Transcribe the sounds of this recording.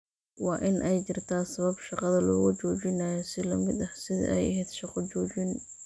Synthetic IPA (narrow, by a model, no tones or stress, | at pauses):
wɑːʔɪnʔɛjt͡ʃɪrt̪ʰaːsɐβɐbʃɑqɑðɐlɔ̰ːɣʊt͡ʃɔːt͡ʃɪnaːjɔsɪlɐmɪd̪ɐhsɪðɐ̰ʔɛ̰jɐɦɛːd̪ʃɑqɔt͡ʃɔːt͡ʃɪn